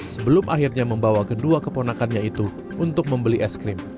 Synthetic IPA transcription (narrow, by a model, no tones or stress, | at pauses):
səbəlʊmʔaɦirɲaməmbawakəduakəponakanɲait̪u | unt̪ʊk̚məmbəliʔɛskɾɪm